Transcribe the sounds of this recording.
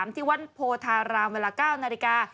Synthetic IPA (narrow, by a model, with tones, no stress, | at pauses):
mt̪ʰiː˥˩wa˦˥npʰoː˧t̪ʰaː˧ɾaː˧ŋweː˧laː˧kaː˥˩wnaː˧li˧kaː˧